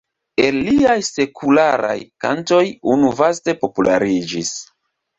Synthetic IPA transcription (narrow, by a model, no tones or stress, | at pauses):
e̞lːiajse̞kʰulaɾa̰jkanto̞junuvaste̞po̞pulʔaɾid͡ʒis